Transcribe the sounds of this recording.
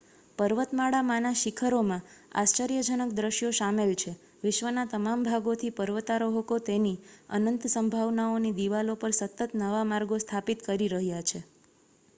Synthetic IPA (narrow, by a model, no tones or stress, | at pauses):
pəɾʋət̪maɽamãnaʃikʰəɾomãa̰st͡ʃəɾijəd͡ʒənək̚d̪ɾəʃjoʃamelt͡ʃʰe | ʋɪʃʋənat̪əmambʱaɡot̪ʰipəɾʋət̪aɾoɦok̪ot̪eniə̰nənt̪səmbʱaʋnaonid̪iʋalopəɾsət̪ət̪nəʋamaɾɡost̪ʰapit̪kəɾiɾəɦjat͡ʃʰe